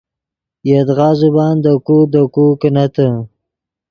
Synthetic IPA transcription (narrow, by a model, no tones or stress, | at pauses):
jed̪ɣɑːzubɑːnd̪əkud̪əkukənat̪ə